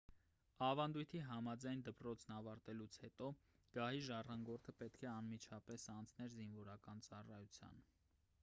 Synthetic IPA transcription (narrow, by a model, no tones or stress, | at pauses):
ɑvɑnd̪ujt̪ʰiɦɑmɑd͡zɑjnd̪əpɾɔt͡sʰnɑvɑɾt̪ɛlut͡sʰhɛt̪ɔ | ɡ̥ɑɦiʒɑrɑŋɡɔɾt̪ʰəpɛt̪kʰɛɑnmit͡ʃʰɑpɛsɑnt͡sʰnɛɾzinvɔɾɑkɑnt͡sɑrɑjut͡sʰjɑ̰n